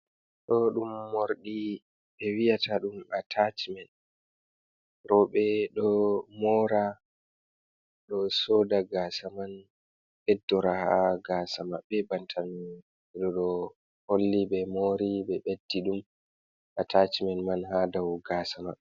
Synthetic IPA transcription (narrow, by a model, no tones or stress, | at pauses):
ɗɔɗumːoɾɗi | ɓɛwijatʰaɗumatʰat͡ʃimɛn | ɾɔɓɛɗɔmɔɾa | ɗɔsoːdaɡaːsaman | ɓɛdːɔɾahaɡasamaɓɛbantʰanu | ɛɗɔɗɔ | holːiɓɛmoɾiɓɛɓedːiɗum | ʔatat͡ʃimɛnmanhadawɡasama